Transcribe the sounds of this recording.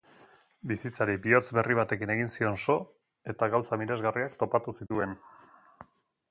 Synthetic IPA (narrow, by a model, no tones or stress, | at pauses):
bisit͡saɾibio̞t͡sβe̞riβ̞at̪e̞kine̞ɣ̞insio̞nso̞ | e̞t̪aɣawsamiɾe̞zɣariakt̪o̞pat̪usit̪ue̞n